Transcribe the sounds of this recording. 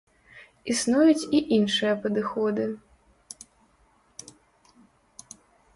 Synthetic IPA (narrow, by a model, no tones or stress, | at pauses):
isnujut͡sʲiʔinʂɨjɐpɐd̪ɨxɔd̪ɨ